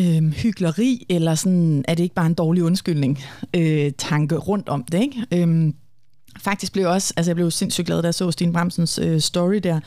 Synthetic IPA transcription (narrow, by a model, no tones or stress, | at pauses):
øhyɡ̥lɐʁḭːelɐsɒ̽næɐɾ̥ee̝ɡ̥əb̥ɑ̈ːe̝nd̥ɒːliɔ̽nsɡ̥yl̰ne̝ŋøt͡sʰɑ̈ŋɡ̥əʁɔ̽n̰d̥ɒ̽md̥e̝eɡ̥øm | fɑ̈ɡ̥̚d̥isɡ̥̚b̥le̝ɒ̽sælsəjɑ̈b̥le̝ʊse̝n̰sy̰dɡ̥lɛːð̩ˠd̥ɑsɔ̰̽ːsd̥ḭːnb̥ʁɑm̰sənsøsːd̥ɒʁid̥æɐ̰